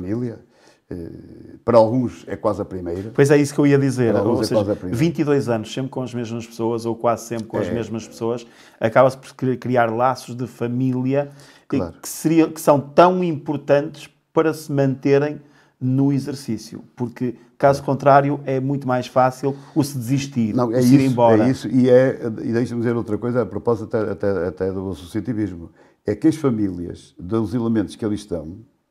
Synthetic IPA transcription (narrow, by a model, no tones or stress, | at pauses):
ɐmilˠjɐ | ɛ̰pɐɾalˠɣũʃɛ̰kwazɐpɾimejɾɐpojzɛisu̥kewiɐðizeɾɛseʒazpɾivĩnt̪iðojzɐnʊʃsẽmpɾkõɐʒmeʒmɐʃpɨ̥soɐzokwazsẽmpɾkõɐʒmeʒmɐʃpɨ̥soɐʃ | ɐkaβɐspɔɾkɾkɾiaɾlˠasuʒðɨfɐmilˠiɐ | a̰ɾkɨ̥sɨɾiɐ̃kɨ̥sɐ̃w̃t̪ɐ̃w̃ĩmpuɾt̪ɐ̃nt̪ɨ̥ʃ | pɐɾɐsɨmɐ̃nt̪eɾẽj̃ | nuizɨɾsisjṵpuɾkɨ | kazukõnt̪ɾaɾjuɛmũj̃t̪umajʃfasilˠusɨd̪ɨziʃt̪iɾnɐ̃w̃ɛiɾẽj̃bɔɾɛɐisuiɛḭðejʃɐmd̪izeɾowt̪ɾɐkojzɐɛɐpɾupɔzit̪ɐt̪ɛɐt̪ɛɐt̪ɛðuɐsusiɐt̪iβiʒmu | ɛkɐʃfɐmilˠiɐ̰ʃðɨzilˠɨmẽnt̪uʃkelˠʃt̪ɐ̰̃w̃